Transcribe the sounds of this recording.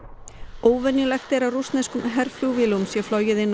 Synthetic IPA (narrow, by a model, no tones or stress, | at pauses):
oːwvɛnjʏlɛxt̪ɛɾawrust̪nɛskʏmɦɛɾfljuwvɪlumsjɛflɔjɪðɪnː